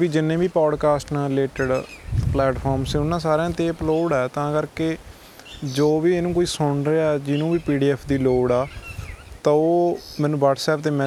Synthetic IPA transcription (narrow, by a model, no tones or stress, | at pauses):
ʋiːd͡ʒɪnːẽːbiːpɔːɖkaːsʈnãːɾɪleːʈəɖplɛːʈpʰɔːɾmsẽːʊnːãːsaːɾãːt̪eːəploːɽɛːt̪ãːkəɾkeː | d͡ʒoːʋiːeːnũːkoːiːsʊɳɾeːaɛd͡ʒɪnũːbiːpiːɖiːɛːpʰd̪iːloːɽaː | t̪ãoːmɛ̃ːnũːʋaːʈsɛːp̚t̪eːmɛ̃ː